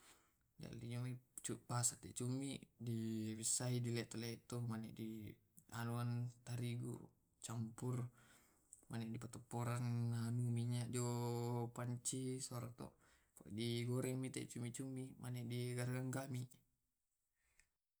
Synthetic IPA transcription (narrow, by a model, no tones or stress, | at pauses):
da̰liɲomit͡ʃupasat̪ɛ̰ʔt͡ʃumidiwisːaidilɛt̪ɛlet̪ɔmanɛ̰ʔdi | anuant̪aɾiɡṵ | t͡ʃampur | manɛʔdipat̪ɔpːɔɾanːanumiɲaʔd͡ʒopaɲt͡ʃisɔɾat̪ɔ̰ | pa̰diɡɔɾɛŋmit̪ɛ̰ʔt͡ʃumit͡ʃumːimʔanɛʔdiɡarɡaŋɡami